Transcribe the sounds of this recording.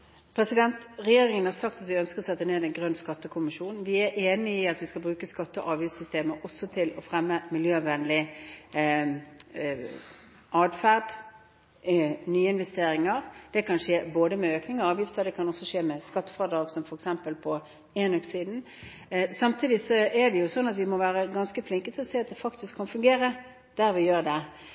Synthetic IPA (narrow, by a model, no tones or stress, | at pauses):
pʰɾɛsɪd̪ɛnt̪ʁɛjeːɾɪŋənhɑɾsɑk̚t̪ɑt̪ʋɪœnskəʁɔsɛt̪ːəneːd̪ɛɪnɡʁœnːskɑt̪ːəkʰʊmɪʃuːn̩ʋɪæɾʔeːnɪɪɑt̪ʋɪskɑlbɾʉːkəskɑt̪ːəʔɑːʋjɪft̪sʏst̪eːməʔɔsːɔt̪ʰɪlɔfʁɛmːəmɪljøːʋɛnlɪ | ʔɑːd̪fæʁd̪ | nyːəɪnʋɛst̪eːɾɪŋəʁd̪̥ɛkʰɑnʂeːboːd̪əmɛøːknɪŋɔɑːʋjɪft̪əd̪ɛkʰɑnɔsɔʂeːmɛskɑt̪ːə̥fɑd̪ɑːɡsɔmfɔɾɛksɛmpəlpʰɔ | eːnɔksiːd̪n̩ | sɑmt̪ʰiːd̪ɪsɔɛɖ̪ɛjʊsɔnːɑt̪ʋɪmɔʋæːɾəɡɑnskəflɪŋkət̪ʰɪlɔseːɑt̪̚d̪ɛfɑkt̪ɪskʰːɑnfʉŋɡeːɾə | d̪̥æɾʋɪjøːʁd̪ɛ